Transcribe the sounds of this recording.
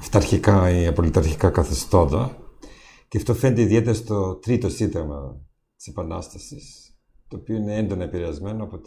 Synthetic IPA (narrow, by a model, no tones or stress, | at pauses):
ft̪ɐɾçikɐiɐpolit̪ɐɾçi̥kɐkɐθist̪o̞nd̪ɐ | ceɐft̪o̞fe̞ned̪eiðie̞t̪eɾɐst̪o̞t̪ɾit̪o̞sind̪ɐɣmɐ | t̪i̥sepɐnɐst̪ɐsis | t̪o̞ːpioine̞end̪o̞nɐepiɾe̞ɐzme̞noɐpo̞t̪